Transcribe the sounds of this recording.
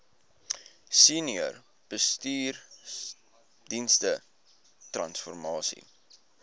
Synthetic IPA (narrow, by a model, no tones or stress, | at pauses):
siniər | b̥əstiːr | dinstə | trɐnsfɔrmɑːsḭ